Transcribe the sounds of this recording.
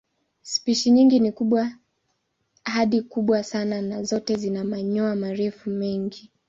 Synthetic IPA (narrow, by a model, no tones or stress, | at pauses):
spiʃiɲiŋɡinikuɓwa | haɗikuɓwasananazɔtɛzinamaɲɔamaɾɛfumɛŋɡi